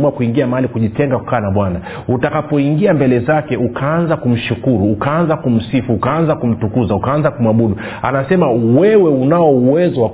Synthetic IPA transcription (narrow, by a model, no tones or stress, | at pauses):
muakuiŋɡiamaalikuʄitɛŋɡaku̥kaːnaɓwana | utakapɔiŋɡiambɛlɛzakɛukʰaanzakum̩ʃukuɾuːkaanzakum̩sifuːkaanzakum̩tukuzaukaanzakumwaɓuɗu | a̰nasɛmawɛwɛunaɔuwɛzɔwa